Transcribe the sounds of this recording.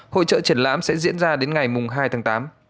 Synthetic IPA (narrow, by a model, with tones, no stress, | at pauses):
ho̰˧˨t͡ɕə̰ː˧˨t͡ɕi˧˩ənla̰ː˧˥msɛ̰˧˥zḭ˧˥ənzaː˧ɗe˨˦nŋa˨˩jmʊ˨˩ŋ͡mɦaː˧jt̪ʰaː˨˦ŋt̪aː˨˦m